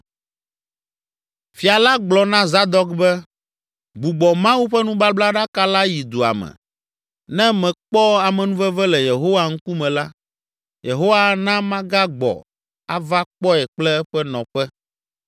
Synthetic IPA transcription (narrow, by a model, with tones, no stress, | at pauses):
fi˨a˨la˦ɡ͡blɔ˨nã˦za˦d̪ɔ˦kbɛ˦ | ɡ͡bu˨ɡ͡bɔ˨mã˦wu˦ɸɛ˦nũ˦ba˦bla˦ɖa˦ka˦la˦ji˨d̪u˨a̰˨mɛ̰˨ | nɛ̃˦mɛ̃˨k͡pɔ˦a˨mɛ̃˨nũ˦vɛ˦vɛ˦lɛ˨je˨ɦo˦wa˨ŋ̩˦ku˦mɛ̃˨la˦ | je˨ɦo˦wa˦nã˦mã˦ɡa˦ɡ͡bɔ̰˨ | a̰˦va˦k͡pɔ˦ɛ˨k͡plɛ˦ɛ˦ɸɛ˦nɔ̃˨ɸɛ˦